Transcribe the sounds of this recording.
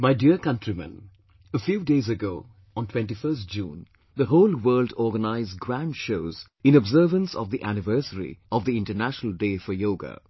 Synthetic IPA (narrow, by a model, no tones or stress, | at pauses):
maɪɖiəkʌ̃nʈɹimə̰̃n | əfjuːɖeːzəɡoː | ɔ̃nʈʰw̥ɛ̃nʈifəːstd͡ʒṵ̃ːn | d̪əɦoːlwəːlɖɔːɡənaɪzɡɾæ̃ɳɖʃoʊz | ɪ̃nɔbzəːvə̃nsɔ̰vd̪iʔænɪʋɜɾsəɾḭʔɔvd̪iɪ̃nʈənæʃənəl̩ɖeːfɔjoːɡa̰